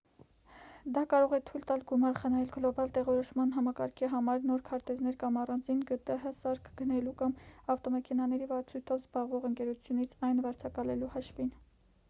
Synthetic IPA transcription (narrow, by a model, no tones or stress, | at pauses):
d̪ɑkɑɾɔʁɛt̪ʰujlt̪ɑlɡumɑɾχənɑjɛlɡlɔbɑlt̪ɛʁɔɾɔʃmɑnɦɑmɑkɑ̰ɾkʰiɦɑmɑɾnɔɾkʰɑɾt̪ɛznɛɾkɑmɑrɑnd͡zinɡət̪əɦəsɑɾkʰɡənɛlukɑmɑft̪ɔmɛkʰɛnɑnɛɾivəɑt͡sʰujt̪ʰɔvzbɑʁvɔʁəŋkɛɾut͡sʰjunit͡sʰɑjnvɑɾt͡sʰɑkɑlɛluhɑʃvin